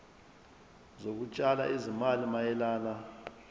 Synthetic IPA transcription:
zok̬ut͡ʃʼala̰ʔizimalimajɛlaːla

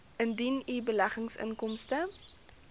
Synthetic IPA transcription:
ʔəndinibəlæχəŋsə̰ŋkɔmstə

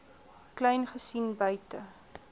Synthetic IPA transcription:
klɛjnχəsinbœɥtə

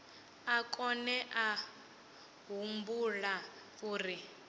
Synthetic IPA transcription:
akʼɔnɛʔa | ɦumbula | uːri

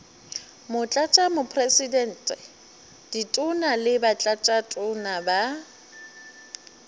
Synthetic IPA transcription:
mʊt͡ɬʼat͡ʃʼamʊpʰresidɛn̩ːtʼɛ | d̥itʼʊnalɪbat͡ɬʼat͡ʃʼatʼʊnaba

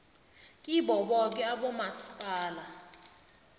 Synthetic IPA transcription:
kʼiɓɔɓɔk̬ʼɛaɓɔmasi̥pʼaːla

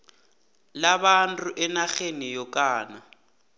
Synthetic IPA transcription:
laβantʼʊʔɛnaɣenɪjɔkʼaːna

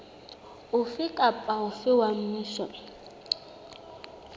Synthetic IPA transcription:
ʊfɪkʼapʼaʊfɪwamm̩ɪʃɔ

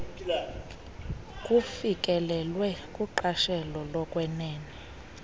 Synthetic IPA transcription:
kʼufikʼɛlɛlwɛkʼuǃaʃɛlɔlɔkʼwɛnɛːnɛ

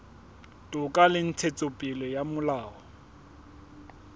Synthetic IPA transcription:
tʼʊkʼalɪn̩t͡sʰet͡sʼopʼɪlɔjamʊlaːɔ

